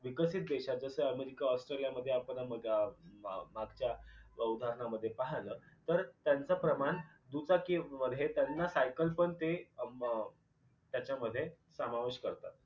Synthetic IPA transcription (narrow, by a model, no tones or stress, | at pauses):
ʋikəsiːt̪̚d̪eɕad͡zəsəəmeɾikaɔsʈɾelijaməd̪ʱːjeapəɳməɡa | maɡt͡ɕjaud̪ʱaɾəɳaməd̪ʱːjepaɦaləːt̪əɾt̪jant͡səpɾəmaɳ | d̪ut͡sakiməd̪ʱjet̪janːasajkəlpəɳt̪e | t̪jat͡ɕjaməd̪ʱːje | səmaʋeɕkəɾt̪a̰t̪̚